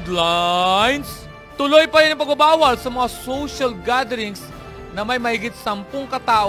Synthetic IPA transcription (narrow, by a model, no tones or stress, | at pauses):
d̪lajns | t̪ʊlojpɐɾɪnɐŋpɐɡ̚bɐbaːwɐlsɐmɐŋasowʃɐlɡad̪ɛɾɪŋs | nɐmɐjmɐhiɡɪt̪̚sɐmpoŋkɐt̪aːʔ